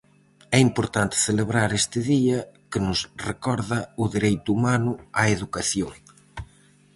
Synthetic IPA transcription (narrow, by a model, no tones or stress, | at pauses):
ɛimpoɾt̪ant̪ɪ̥θeleβɾaɾest̪ɪðiɐkɪnʊsrekɔɾðɐʊðiɾejt̪uumanʊaeðukaθjoŋ